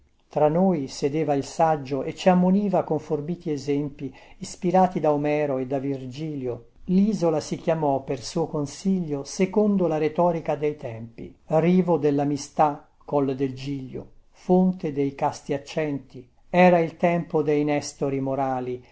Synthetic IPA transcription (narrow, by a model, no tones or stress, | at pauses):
t̪ɾanːoːjsed̪eːvailsad͡ʒːoʔet͡ʃːiamːoniːvakoɱforbiːt̪iɛzɛmpiː | spiɾaːt̪id̪aomɛːɾoed̪avird͡ʒiːljo | liːzolasikjamɔpersuːokonsiʎːosekond̪olaɾet̪ɔːɾikad̪ejt̪ɛmpiriːvod̪elːamist̪a | kːɔld̪eld͡ʒiʎːo̰ | font̪ed̪ejkast̪iat͡ʃːɛnt̪i | ɛːɾailt̪ɛmpod̪ejnɛst̪oɾimoɾaːli